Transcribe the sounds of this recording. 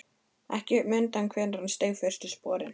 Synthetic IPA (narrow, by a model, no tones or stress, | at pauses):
ɛ̰hcɪmʏnt̪ankʰvɛːnɾanst̪eːfœr̥st̪ʏspɔːɾɪn